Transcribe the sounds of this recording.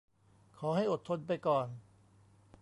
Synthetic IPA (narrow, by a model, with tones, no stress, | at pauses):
kʰɔː˩˦ɦa˥˩jʔo˨˩t̪ʰːo˧npa˧jkɔː˨˩n